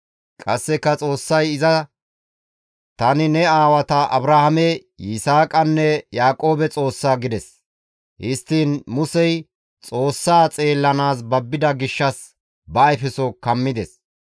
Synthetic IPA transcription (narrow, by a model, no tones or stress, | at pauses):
kʼɐsːɛkːɐt͡sʼo̞ːsːɐjɪzɐ | t̪ɐnɪnɛaːwɐt̪ɐʔɐ̰bɾɐhɐmɛ | jɪsaːkʼɐnːɛjaːkʼo̞ːbɛt͡sʼo̞ːsːaːɡɪd̪ɛs | hɪst̪ːiːnmʊsɛj | t͡sʼo̞ːsːaːt͡sʼe̞ːlːɐnaːsbɐbːɪd̪ɐɡɪʃːɐs | bɐːjfɛsɔkɐmːɪd̪ɛs